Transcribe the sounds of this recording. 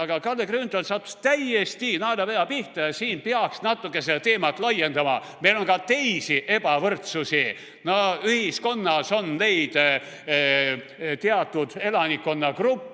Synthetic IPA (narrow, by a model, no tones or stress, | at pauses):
ɑɡ̥ɑkɑlːekrynt̪onsɑːt̪ːu̥st̪æjest̪inɑelɑvejɑpiht̪ɑjɑsiːnpeɑksnɑt̪ːˑukːˑeset̪e̞ːmɑt̪lɑjːe̞nd̪̥ɑmɑ | me̞jlo̞ŋkɑt̪e̞jsiʔe̞b̥ɑvɤrt̪susi | noyhisko̞nːɑso̞nne̞jd̪̥ | t̪eɑt̪ːˑud̪̥e̞lɑnʲikːo̞nːɑkrupːˑ